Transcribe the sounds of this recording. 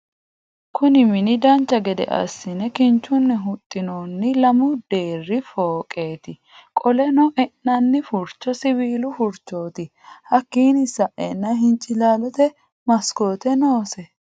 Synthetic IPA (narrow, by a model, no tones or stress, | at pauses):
kʊnɪmɪnɪd̪ɐnt͡ʃːɐɡɛd̪ɛ̰ʔɐ̰sːɪnɛkɪnt͡ʃːʊnːɛɦʊt̪ʼːɪnoːnːɪlɐmʊd̪̥e̞ːrːɪfoːkʼe̞ːt̪ɪ | kʼɔlɛnɔʔɛnːɐnːɪfʊɾt͡ʃːɔsɪbiːlʊfʊɾt͡ʃːo̞ːt̪ɪ | hɐkːiːnɪsɐʔɛ̰nːɐɦɪnt͡ʃʼɪlaːlɔt̪ɛ | mɐsko̞ːt̪ɛno̞ːsɛ